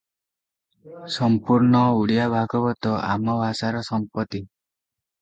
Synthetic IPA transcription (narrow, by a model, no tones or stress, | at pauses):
sɔmpuɾɳɔuɽijabʱaɡɔbɔt̪ɔa̰mɔbʱasaɾɔsɔmpɔt̪i